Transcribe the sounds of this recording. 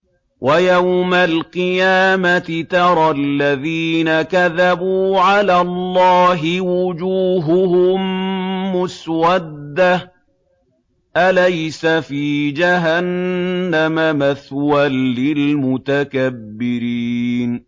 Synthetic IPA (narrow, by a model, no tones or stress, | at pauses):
wʔajawmalqɨjaːmat̪ɪt̪ɑɾˤɑlːaðiːnakaðabuːʕalaːlˤːɑːɦɪwʊd͡ʒuːɦʊɦʊmː | ʊswad̪ːa | ʔalajsafiːd͡ʒaɦanːamamaθwalːɪlmʊt̪akabːɪɾiːn